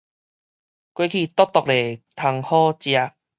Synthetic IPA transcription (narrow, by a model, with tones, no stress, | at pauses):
kwe˦kʰi˧˩t̪ɔ˦˥t̪ɔ˨k̚le˨˩t̪ʰa˧ŋhɔ˦t͡ɕja˧